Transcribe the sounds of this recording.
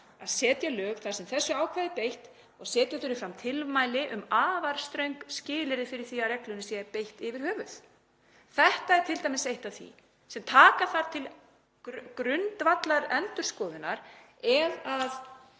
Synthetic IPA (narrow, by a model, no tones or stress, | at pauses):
aðsɛːt̪jalœːɣθaɾ̥sɛmθɛsːʏaːwkʰvajðɪpejht̪ | ɔɣsɛːt̪jaθʏɾɪfɾamt̪ʰɪlmaːjlɪʔʏmaːvaɾ̥st̪ɾœɥŋkscɪːlɪɾɪfɪɾɪɾ̥θiaɾɛklʏnɪsjɛɛɾpejht̪ɪvɪɾ̥hœːvʏθ | θɛht̪aɛɾt̪ʰɪlt̪ajmɪsejht̪aθḭ | sɛmt̪ʰaːkaθaɾ̥t̪ʰɪl | kɾʏnt̪vat̪laɾɛnt̪ʏɾ̥skɔːðʏnːaɾ | ɛðað